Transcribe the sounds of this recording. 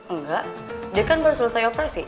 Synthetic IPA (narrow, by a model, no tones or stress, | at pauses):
əŋɡaʔ | diakanbərsuləsajopɾɛsi